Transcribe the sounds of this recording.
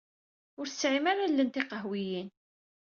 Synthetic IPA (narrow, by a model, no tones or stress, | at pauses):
ʊɾθsʕimaɾalːənt̪iqəɦwijin